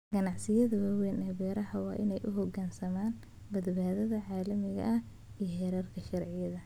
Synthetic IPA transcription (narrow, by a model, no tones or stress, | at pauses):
ɡ̥ɐnɑʕsɪjɐðɐwɐwɛnɛːbɛːɾɐɦɐwɑːʔɪnɛjʔʊɦɔɡaːnsɐmaːn | bɐd̪baːðɐðɐʕaːlɐmɪɣɐ̰ʔɐh | ijhɛɾɐrkʰɐʃɐrʕɪjɐðɐ